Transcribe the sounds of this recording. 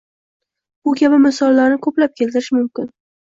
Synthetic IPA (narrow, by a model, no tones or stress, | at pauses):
bʊkʲʰabɪmɪsɒlːaɾnɪkʰɵplap̚kʲʰe̞lt̪ɪɾɪʃmʊmkʲɪn